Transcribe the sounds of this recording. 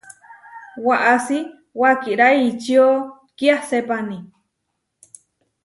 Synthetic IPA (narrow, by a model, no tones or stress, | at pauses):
waʔasi | wakiɾaiːt͡ʃio | kiahsepani